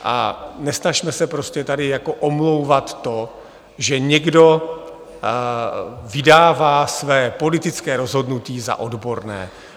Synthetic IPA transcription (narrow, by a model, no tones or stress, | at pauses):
ʔa̰nɛsnaʃmɛsɛpɾo̞scɛt̪adɪjako̞ʔomlo̞wvat̪ːo̞ | ʒɛɲɛɡdo̞ | vɪdaːvaːsvɛːpo̞lɪt̪ɪt͡skɛːɾo̞zɦo̞dnuciːza̰ʔo̞dbo̞ɾnɛ̰ː